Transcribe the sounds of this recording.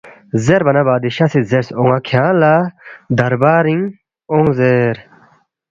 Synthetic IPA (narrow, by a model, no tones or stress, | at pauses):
zeɾbɐnɐbaːd̪iɕasizeɾsoŋakʰjãːlad̪ɐɾbaːɾĩŋ | oŋzeɾ